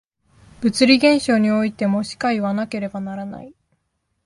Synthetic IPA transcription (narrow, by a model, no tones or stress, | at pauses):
b̥ɯ̟t͡sɨɾʲiɡẽ̞ɰ̃ɕo̞ːɲ̟io̞it̪e̞mo̞ɕi̥kaiβanake̞ɾe̞banaɾana̰i